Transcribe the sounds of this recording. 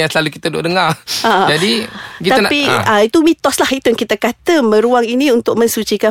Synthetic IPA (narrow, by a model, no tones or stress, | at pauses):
jaŋsəlalukit̪ədo̰ʔdəŋarad͡ʒadikit̪apiəit̪umĩt̪ɔslahit̪ujaŋkit̪akat̪əmə̃ɾuaŋinĩunt̪ʊk̚mə̃nsut͡ʃika